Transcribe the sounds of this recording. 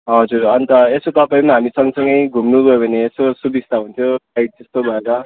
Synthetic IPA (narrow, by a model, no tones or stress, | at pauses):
ɦʌd͡zurʌnt̪ʌesot̪ʌpaĩmaɦamisʌŋɡʌsʌŋɡʌjɡʱumnuɡʌjobʱʌneːsosubist̪aɦunt̪ʰjoaj̚d͡zʌst̪obʱʌeɾʌ